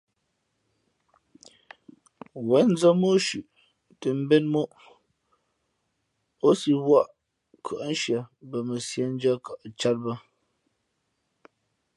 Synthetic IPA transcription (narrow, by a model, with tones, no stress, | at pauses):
wɛ˨˦n̩˦d͡zə˦mo˦ʃʉ˨ʔ | tə˨m̩˦bɛ˦nmo˦ʔ | o˦si˨wwa˦˨ʔ | kʰə˨ʔa˦n̩˦ʃja˨bə˨mə˨sja˦n̩˦d͡ʒa˦ka˨ʔt͡ʃa˦t̚bə˦